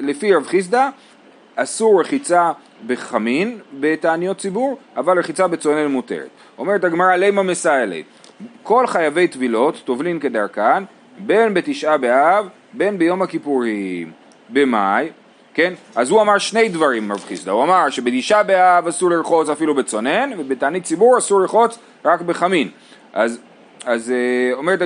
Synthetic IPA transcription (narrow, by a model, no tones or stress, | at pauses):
lefiʁavχis̬d̪a | asuʁːeχit͡sa | be̞χaminbe̞t̪aːnijo̞t̪̚t͡sibuʁavalʁeχit͡sabe̞t͡sonelmut̪e̞̰ʁḛt̪ | o̞me̞ʁet̪aɡmaʁalejmamesaelḛtko̞lχajave̞jt̪vilo̞tːo̞vlimkedaʁkan | be̞nbe̞t̪iʃʔabeav | be̞nbejo̞makipuʁim | be̞maj | ke̞nazhuamaʁʃne̞jdvaʁimːavχisda̰uamaʁʃe̞bet̪iʃʔabeavasuʁliɾχo̞t͡safilubet͡so̞ne̞nvebetaːnit̚t͡sibuʁasuʁliɾχo̞t͡s | ʁakbe̞χamin | ʔaz | azeo̞meʁet